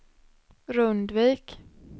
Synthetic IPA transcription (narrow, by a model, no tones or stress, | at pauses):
ɾɵnd̪viːk